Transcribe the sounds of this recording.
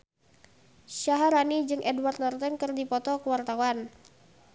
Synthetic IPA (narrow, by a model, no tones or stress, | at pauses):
ʃaɦaɾanid͡ʒɨŋʔɛdwart̪̚nart̪ənkɨrdipɔt̪ɔkəwart̪awan